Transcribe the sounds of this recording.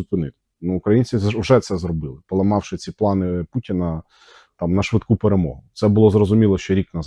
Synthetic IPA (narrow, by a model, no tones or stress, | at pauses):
ʊpɪnɪt̪ | nuʊkɾɐjinʲt͡sʲiwʒɛt̪sɛzɾɔbɪlˠɪpɔlˠɐmɑwʃɪt͡sʲiplˠɑnɪputʲɪnɐ | t̪ɑmnɐʃʋɪdt̪kupeɾemɔ̰ɦʊt̪sɛbʊlˠɔzrɔzʊmʲilˠɔʃt͡ʃɔɾʲiknɐz